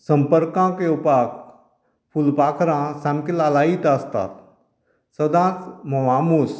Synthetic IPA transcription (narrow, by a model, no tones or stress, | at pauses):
səmpəɾkãkeupaːk | pʰulpaːkʰɾãsãmkelaːlaːit̪aːst̪a̰ːt̪ | səd̪ãːt͡smɐʋaːmus